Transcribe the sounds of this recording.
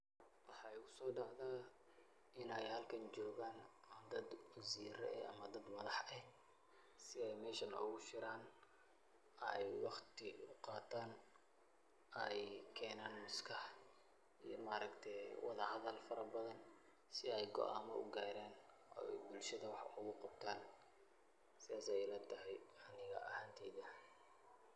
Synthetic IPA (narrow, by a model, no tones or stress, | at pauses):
wɑħɑɪʊsɔːɖɑʕd̪aː | ɪnɛjhɐlkʰɐnt͡ʃɔːɣaːnd̪ɐd̪wɐziːɾɛ̰ɛɐ̰mɐd̪ɐd̪mɐðɑħɛ | sɪɛjmɛːʃɐnʊ̰ɣʊʃɪɾaːn | ɛjwɑχt̪ʰɪʊqɑːt̪ʰaːn | ɛjkʰɛːnaːnmʊskʰɐh | ijɞmaːɾɐkt̪ʰɛjwɑ̰ðɐhɐðɐlfɐɾɐbɐðɐn | sɪɛjɡɔ̰ʔaːmɐʔʊɡaːɾɛːn | ʔɔ̰ːɛbʊlʃɐðɐwɑħʊɣʊqɑb̥̚t̪ʰaːn | sɪðaːsɛjlɛt̪ʰɐɦɛjɐnɪɣɐ̰ʔɐhaːnt̪ʰɛːðɐ